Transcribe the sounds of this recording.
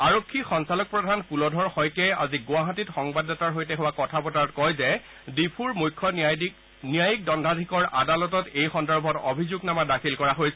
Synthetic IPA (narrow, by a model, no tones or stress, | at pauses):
aɹokʰːixɔnsalɔk̚pɹɔdʱanpulɔdʱɔɹxɔjkɛja̰ziɡʊaɦatitxɔŋbadɔtaɹɦojtɛɦʊwakɔtʰapɔtaɔtkɔjzɛ | dipʰuɹmujkʰːɔ | nijajik̚dɔndʱadʱikɔɹa̰dalɔtɔtejxɔndɔɹbʱɔtobʱizuɡnamadakʰilkɔɹaɦojsɛ